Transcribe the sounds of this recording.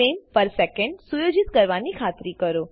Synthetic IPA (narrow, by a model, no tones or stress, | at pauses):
empəɾsɛkəɳɖsujod͡ʒit̪kəɾʋanikʰat̪ɾikəɾo